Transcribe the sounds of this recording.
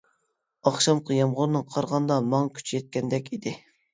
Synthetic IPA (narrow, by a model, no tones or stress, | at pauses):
ɑχʃɑmqʰɑjɑmʁʊɾnɨŋqʰɑɾʁɑnd̪ɑmɑŋkʲʰy̥t͡ʃʰijɛt̪̚kʲɛnd̪ɛkʲid̪ɪ